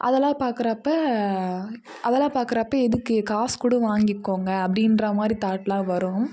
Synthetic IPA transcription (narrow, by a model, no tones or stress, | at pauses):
ʔɐ̰ðɛlãːpaːɾkɯɾɐpːɐ | ʔɐðɛlãːpaːɾkɪɾɐpːɐɛðɯkːɯkaːskʊɽɐʋaːŋɡɪkːoːŋɡɐːpːɐɽɪnɾɐmaːd̪ɾit̪aːʈːlãːʋɐɾʊ̃m